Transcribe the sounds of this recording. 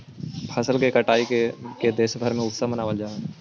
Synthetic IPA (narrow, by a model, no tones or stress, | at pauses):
pʰɐsəlkekɐʈaːiked̪eːsbʱəɾmẽʊt̪samɐnaːʋəld͡ʒaːe